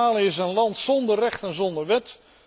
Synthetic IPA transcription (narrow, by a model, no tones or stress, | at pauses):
aːləɪsənlɑntsɔndərrɛχtɛnzɔndərʋɛt